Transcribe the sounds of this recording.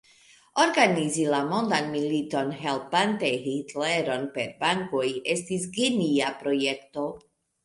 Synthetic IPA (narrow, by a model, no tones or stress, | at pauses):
o̞ɾɡanizilamo̞ndanmilito̞nɦe̞lpantejɦitleɾo̞npe̞ɾbaŋko̞je̞stisɡiniapɾo̞je̞kto̞